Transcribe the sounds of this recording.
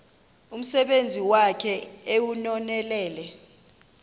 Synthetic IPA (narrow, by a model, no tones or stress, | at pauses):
um̩sɛɓend͡zʱiwakʰɛewunɔnɛlɛːlɛ